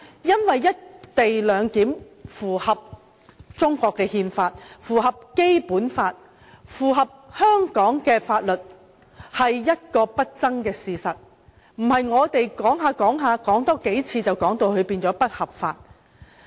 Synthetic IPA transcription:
jɐ˥nwɐ˨jːɐ˥t̚t̪e˨jlœː˨˧ŋkiː˨˥m | fuː˨˩hɐ˨p̚ | t͡sʊ˥ŋkʷɔː˧kːɛː˧hiː˧nfaː˧t̚fuː˨˩ɦɐ˨p̚ke˥jpuː˨˥nfaː˧t̚ | fuː˨˩ɦɐ˨p̚hœː˥ŋkɔː˨˥ŋkɛː˧faː˧t̚lɵ˨t̚ | hɐ˨jːɐ˥t̚kɔː˧pɐ˥t̚t͡sɐ˥ŋkɛː˧siː˨sɐ˨t̚ | m̩˨˩hɐ˨jŋɔː˨˧t̪e˨jkɔː˨˥ŋɦaː˨˧kɔː˨˥ŋɦaː˨˧kɔː˨˥ŋt̪ɔː˥ke˨˥jt͡sʰiː˧t͡sɐ˨wkɔː˨˥ŋt̪o˨˧whɵ˨˧piː˧nt͡sɔː˨˥pɐ˥t̚hɐ˨˩p̚faː˧t̚

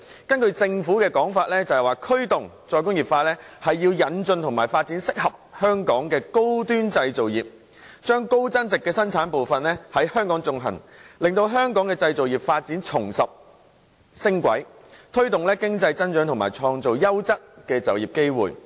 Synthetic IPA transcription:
kɐ˥nkɵ˧ɥt͡sɪ˧ŋfuː˨˥kɛː˧kɔː˨˥ŋfaː˧t̚lɛː˥t͡sɐ˨˩hɐ˨jwaː˨kʰɵ˥ɥt̪ʊ˨˩ŋ | t͡sɔː˧jkʊ˥ŋjiː˨˩p̚faː˧lɛː˥hɐ˨jːiː˧wjɐ˨˥nt͡ʃɵ˧nt̪ʰʊ˨˩ŋmaː˨˩jfaː˧t̚t͡siː˨˥nsɪ˥k̚hɐ˨p̚hœː˥ŋkɔː˨˥ŋkɛː˧ko˥wt̪yː˥nt͡sɐ˧jt͡so˨wjiː˨p̚ | t͡ʃœː˥ŋko˥wt͡sɐ˥nt͡sɪ˨kːɛː˧sɐ˥nt͡sʰaː˨˥npo˨wfɐ˨nlɛː˥hɐ˨˥jhœː˥ŋkɔː˨˥ŋt͡sʊ˧ŋɦɐ̰˨˩nlɪ˨ŋt̪o˧wɦœː˥ŋkɔː˨˥ŋkɛː˧t͡sɐ˧jt͡so˨wjiː˨˩p̚faː˧t̚t͡siː˨˥nt͡ʃʰʊ˨˩ŋsɐ˨p̚ | sɪ˥ŋkʷɐ̰˨˥j | t̪ʰɵ˥ɥt̪ʊ˨ŋlɛː˥kɪ˥ŋt͡sɐ˧jt͡sɐ˥nt͡ʃœː˨˥ŋt̪ʰmaː˨˩t͡sʰɔː˧ŋt͡so˨wjɐ˥wt͡sɐ˥t̚kɛː˧t͡sɐ˨wjiː˨˩p̚ke˥jwuː˨˩j

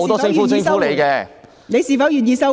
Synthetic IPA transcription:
o˧wt̪ɔː˥sɪ˧ŋfu˨˥sɪ˨˧ŋffuː˨˧˥le˨˧jkɛː˧ | ne˨˧jsiː˨˩fɐ˨˥wjyː˨˩njiː˨˧sɐ˥w

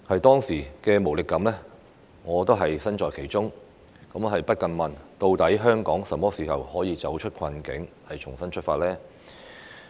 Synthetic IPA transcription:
hɐ˨jt̪ɔː˥ŋsiː˨˩kɛː˧mo˨˩wlɪ˨kːɐ˨˥mlɛː˥ | ŋɔː˨˧t̪o˥wɦɐ˨jsɐ˥nt͡ʃɔː˨jkʰe˨˩jt͡ʃʊ˥ŋ | kɐ˨˥mɦɐ˨jpɐ˥t̚kɐ˧nmɐ˨nt̪o˧wt̪ɐ˨˥jɦœː˥ŋkɔː˨˥ŋsɐ˨˩mɔː˥siː˨˩hɐ̰˨whɔː˨˥jiː˨˧t͡sɐ˨˥wt͡ʃʰɵ˥t̚kʰɐ˧nkɪ̰˨˥ŋ | hɐ˨jt͡ʃʰʊ˨˩ŋsɐ˥nt͡ʃʰɵ˥t̚faː˧t̚lɛː˥

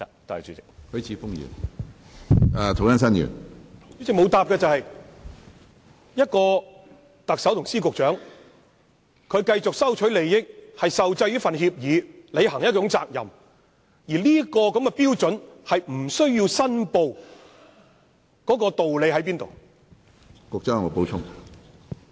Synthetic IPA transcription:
t̪a̰ː˨˩t͡ʃyː˨ɪ˨k̚hɵ˨˥ɥt͡sʰiː˨˧˥fʊ˥ŋjy̰ː˨˩n˨˧ | t̪ʰwja˥ns̬ɐ˥njy̰ː˨˩ny˧˥t͡sɪ˨kmo˨˧wt̪aː˨p̚kɛː˧t͡sɐ˨whɐ˨j | jɐ˥t̚kɔː˧ | t̪ɐ˨k̚sɐ˨˥wt̪ʊ˨˩ŋsiː˥kʊ˨k̚t͡ʃœː˨˥ŋ | kʰɵ˨˧ɥkɐ˧jt͡sʊ˨k̚sɐ˥wt͡ʃʰɵ˨˥ɥle˨jːɪ˥k̚hɐ˨jsɐ˨wt͡sɐ˧jliː˥fɐ˨nɦiː˧p̚jiː˨˧le˨˧jɦɐ˨˩ŋjɐ˥t̚t͡ʃʊ˨˥ŋt͡sa̰ː˨k̚jɐ̰˨m | jiː˨˩liː˥kɔː˧kɐ˨˥mkɛ˧piː˥wt͡sɵ˨˥nhɐ˨jm̩˨˩sɵ˥ɥjiː˧wsɐ˥npo˨˧w | kɔː˨˥kɔː˧t̪o˨wle˨˧jɦɐ˨˥jpiː˥nt̪o̰˨˩w | kʊ˨k̚t͡ʃœ˨˥ŋo˨˩po˨˥wt͡ʃʰʊ˥ŋ

